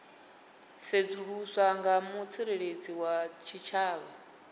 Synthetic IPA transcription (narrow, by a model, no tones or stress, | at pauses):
sed͡zuɺusʷaŋɡamut͡sʰiɾeɺed͡ziwat͡ʃʰit͡ʃʰaːβa